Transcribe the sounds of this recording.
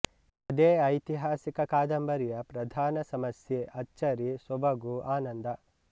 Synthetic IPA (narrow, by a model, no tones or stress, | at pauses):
ɐd̪eːɐjt̪iɦaːsikɐkaːd̪ɐmbɐɾijɐpɾɐd̪ʱaːnɐsɐmɐsjeːʔɐt͡ʃːt͡ʃːɐɾisɔbɐɡuʔaːnɐnd̪ɐ